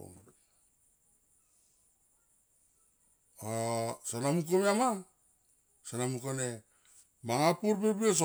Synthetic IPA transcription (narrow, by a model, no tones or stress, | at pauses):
o̰ | asanamuk̬omeama | sanamukone | maŋapuɾbebies̬o